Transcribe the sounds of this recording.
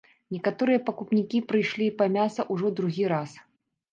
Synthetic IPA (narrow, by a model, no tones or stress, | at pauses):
nʲɛkat̪ɔɾɨjɐpɐkupnʲikʲipɾɨjʂlʲipɐmʲasɐʔuʐɔd̪ɾuɣʲiɾas